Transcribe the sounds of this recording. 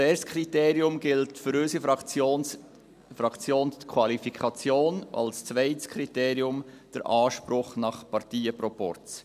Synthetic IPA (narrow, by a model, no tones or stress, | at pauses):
ɛːɾskʰɾiteːɾjʊmɡɪltfʏɾøsifɑt͡son | fɾɑkt͡sjoːnkʰwɑlifikʰɑt͡sjoːnʔɑ̰lst͡svɛɪtskʰɾiteːɾiʊm | d̥əɾʔɑːʃpɾʊχnɑχpɑɾtiːəpɾɔpɔ̰ɾt͡s